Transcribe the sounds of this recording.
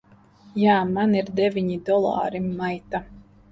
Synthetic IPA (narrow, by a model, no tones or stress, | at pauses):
jaːmaniɾd̪evʲiɲid̪ɔlˠɑ̰ːɾimːajt̪a